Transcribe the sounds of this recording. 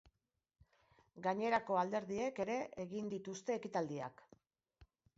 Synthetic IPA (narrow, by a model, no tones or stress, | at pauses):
ɡaɲe̞ɾako̞ald̪e̞ɾðie̞ke̞ɾe̞ʔeɣ̞ind̪it̪ust̪e̞ːkit̪ald̪ia̰k